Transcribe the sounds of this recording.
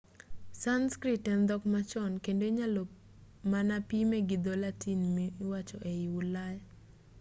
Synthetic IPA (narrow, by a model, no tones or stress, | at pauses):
sanskɾitɛnd̪ɔkmat͡ʃɔnkendoiɲalɔ | manapimeɡɪd̪olatinmiiwat͡ʃɔʔeiwʊlaj